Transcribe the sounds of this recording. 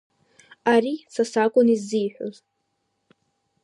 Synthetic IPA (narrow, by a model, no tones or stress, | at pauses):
aɾisasakʷʼʊnizːijħʷo̰z